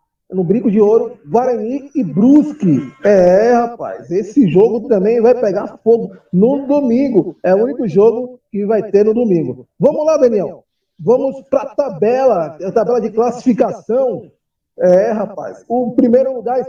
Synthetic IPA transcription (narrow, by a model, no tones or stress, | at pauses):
nʊbɾĩkʊd͡ʒɪoɾʊvaɾɐ̃niɪbɾuskɪɛhapa̰jzesɪʒoɡʊt̪ɐ̃mbẽj̃vajpɛɡaɾfoɡʊnʊd̪omĩɡʊɛuũnikʊʒoɡʊkɪvajt̪eɾnʊd̪omĩŋɡʊvɐ̃mʊzlad̪ɐ̃niɛw | vɐ̃mʊspɾɐt̪abɛlɐat̪abɛlɐd͡ʒɪklasi̥fikasɐ̃w̃ | ɛɦapa̰jsʊpɾimejɾʊluɡaɾ